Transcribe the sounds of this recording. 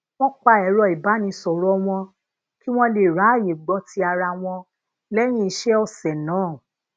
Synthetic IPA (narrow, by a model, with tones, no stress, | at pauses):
w̃ɔ̃˦k͡pa˧˨ɛ˨˦ɾɔ˧˨i˨ba˨˦nĩ˧sɔ˨ɾɔ˨˦w̃ɔ̃˧ | ki˦w̃ɔ̃˦le˨ɾa˨˦˨je˨ɡ͡bɔ˨˦tʰi˦a˧ɾa˧w̃ɔ̃˧ | lɛ˦j̃ĩ˦i˧˦ʃɛ˦ɔ˧˨sɛ˨nãː˨˦˨